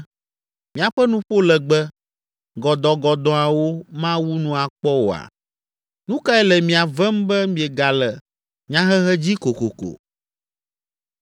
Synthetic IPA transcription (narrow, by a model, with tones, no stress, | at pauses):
mĩ˨a˨ɸɛ˦nũ˦ɸo˦lɛ˨ɡ͡bɛ˦ | ɡɔ˨d̪ɔ˨ɡɔ˨d̪ɔ̃˨ã˨wo˦mã˦wu˦nũ˦a˨k͡pɔ˦wo˨a̰˨ | nũ˦ka˦ɛ˦lɛ˨mĩ˨a˨vɛ˦m˦bɛ˦mĩ˦ɛ˨ɡa˨lɛ˨ | ɲã˦ɦɛ˦ɦɛ˦d͡ʑi˦ko˨ko˨ko̰˨